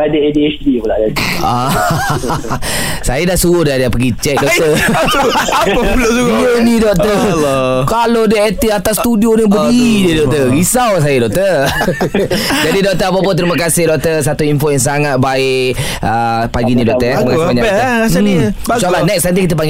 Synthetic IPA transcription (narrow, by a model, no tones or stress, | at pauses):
adəediɛsdipəlaʔɡat̪a | sajadaʔsuɾʊhdadpəɡit͡ʃɛk̚dɔt̪ə | əlasuənidɔʔ̚t̪ə | kalodəet̪iat̪asːt̪udionibəidədɔk̚t̪əɡisaws̬ajədɔʔ̚t̪ə | d͡ʒadidɔʔ̚t̪əapap̬ʊnt̪əɾiməkasɪhdɔʔ̚t̪əs̬at̪uinfojaŋsaŋat̪̚baɪʔ | əpaɡinĩdɔk̪̚əsməkaaɲaaassalahnɛksant̪ikit̪əpaŋɡ